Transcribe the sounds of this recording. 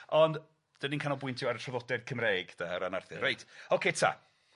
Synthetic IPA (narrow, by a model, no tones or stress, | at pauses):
ɔnd | d̥əninkʰanɔbʊɨntʰjɔaɾətʰrɔvɔdɛd̚kʰəmreːɡ̥d̥aəɾanarθɨrajtʰokʰetʰa̰